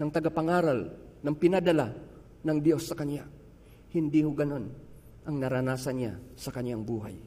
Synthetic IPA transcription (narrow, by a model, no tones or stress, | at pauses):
naŋt̪aɡapaŋaɾalnaŋpinadala | naŋd̪iosːakanja | hind̪ihuɡanon | ʔaŋnaɾanasanɲa̰sakaɲjaŋbuɦa̰j